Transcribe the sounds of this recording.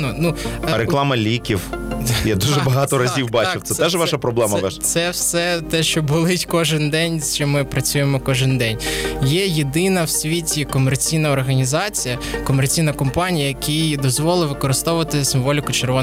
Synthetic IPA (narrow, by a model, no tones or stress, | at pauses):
nɔnuɾeklˠɑmɐlʲikʲiwjad̪uʒɛbɐɦɑt̪ɔɾɐzʲiwbɑt͡ʃɪwt̪sɛɛʒʋɑʃɐpɾɔblˠɛmɐt̪sɛwsɛt̪ɛʃt͡ʃɔbʊlˠɪtʲkɔʒɪnd̪ɛnʲt͡ʃɔmɪpɾɐt͡sʲujemɔkɔʒɪnd̪ɛnʲjɛjed̪ɪnɐwsʲʋʲitʲikɔmert͡sʲijnɐɔrɦɐnʲizɑt͡sʲijɐkɔmert͡sʲijnɐkɔmpɑnʲijɐjɐkʲʰijd̪ɔzʋɔlˠɪʋɪkɔɾɪst̪ɔʊʋɐt̪ɪsɪmʋɔlʲɪkʊt͡ʃerʋɔ